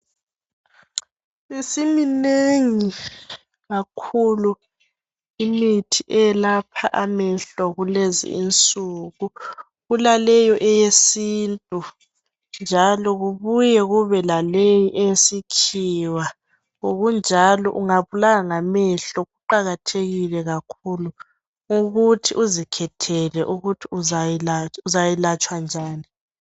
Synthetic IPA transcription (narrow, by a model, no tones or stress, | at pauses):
isimineŋi | ɣakʰulu | imitʰiʔɛɛlapʰaʔamɛɬɔɣulezḭint͡sʼuːɣu | ɣulalɛjɔʔɛjesiːntʼu | nd͡ʒʱalɔɣuβujɛɣuβɛlalejiʔɛjesikʰiwa | oɣund͡ʒʱalɔ̰ʔuŋaβulaɣaŋamɛɬɔɣuǃaɣatʰeɣilɛɣakʰulu | ŋuɣutʰiʔuzikʰɛtʰɛlɛʔuɣutʰiuzajlauzajilat͡ʃʼwand͡ʒʱaːni